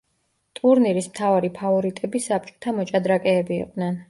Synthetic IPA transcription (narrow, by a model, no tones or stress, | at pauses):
t̪ʼuɾniɾismt̪ʰavaɾipʰavɔɾit̪ʼɛbisap̚t͡ʃʼɔ̥t̪ʰamɔt͡ʃʼad̪ɾakʼɛːbḭːqʼd̪nɛn